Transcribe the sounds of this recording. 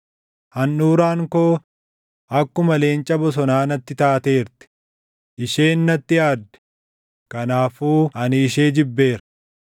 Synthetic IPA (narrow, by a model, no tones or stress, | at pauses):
hɐnːuːɾaːŋkoː | ɐkːʊmɐle̞ːnt͡ʃʼɐbɔs̬ɔnaːnɐt̪ːɪt̪aːt̪e̞ːɾt̪ɪ̥ | ʔɪʃe̞ːnːɐt̪ːɪjaːd̪ːɛ̥ | kɐnaːfuːɐnɪːʃe̞ːd͡ʒɪbːe̞ːɾɐ